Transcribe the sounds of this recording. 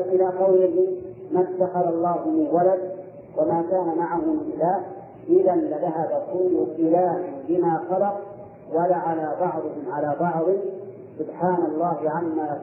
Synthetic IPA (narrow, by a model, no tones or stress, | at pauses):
ʔɪlaːqɑwlɪɦɪmat̪ːaxɑɾˤɑlˤːɑːɦʊmɪnwalad̪̚ | wamaːkaːnamaʕahʊmʔɪlaː | ʔɪðanlɪðaɦabakʊlːʊʔɪlaːʔɪnbɪmaːxɑlɑq̚ | walaːʕalaːbɑʕd̪ˤɨhɪmʕalaːbɑʕd̪ˤɪ | sʊbħaːnɑlˤːɑːhɪʕamːaː